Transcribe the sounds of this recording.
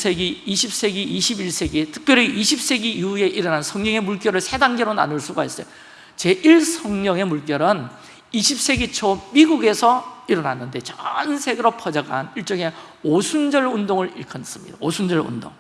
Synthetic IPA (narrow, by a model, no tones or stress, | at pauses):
s͈ʰeɡiːɕʰip̚s͈e̞ɡiiɕʰibiɭs͈e̞ɡitʰɯ̥k̚p͈jʌɾiiɕʰip̚s͈e̞ɡiiue̞ʔiɾʌnansʰʌŋɲʌŋe̞muɭk͈jʌɾɯɭsʰe̞daŋɡeɾona̰nuɭs͈uɡais͈ʌʌjo | t͡ɕe̞ʔiɭs͈ʰʌŋɲʌŋe̞muɭk̬͈jʌɾɯn | iɕʰip̚s͈e̞ɡit͡ɕʰomiɡuɡe̞sʰʌiɾʌnanːɯnde̞t͡ɕansʰe̞ɡɯɾʌpʰʌd͡ʑaɡa̰niɭt͡ɕ͈ʌŋe̞ | osʰund͡ʑʌɭundoŋɯɾiɭkʰɯns͈ɯmɲid̥aosʰund͡ʑʌɭṵndo̰ŋ